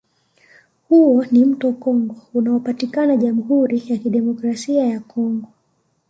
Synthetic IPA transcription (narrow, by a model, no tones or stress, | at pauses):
huɔnim̩tɔkɔŋɡɔunaɔpatikanaʄamuɦuɾijakiɗɛmɔkɾasiajakɔŋɡɔ